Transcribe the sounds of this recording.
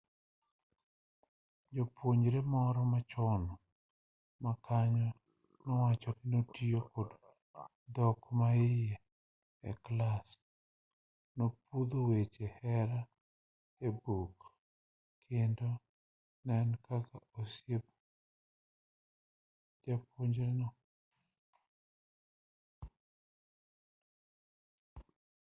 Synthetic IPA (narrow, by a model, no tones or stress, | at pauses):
d͡ʒopwoɲɾemɔɾɔmat͡ʃɔnɔ | makʰaɲɔ | nɔwat͡ʃɔɡinotiokod | d̪ɔkmaɪjɛ | ɛ̰klas | nopud̪owet͡ʃehɛɾa | ebuk | kʰendo | nɛnkakaosjebo | d͡ʒapoɲd͡ʒɾenɔ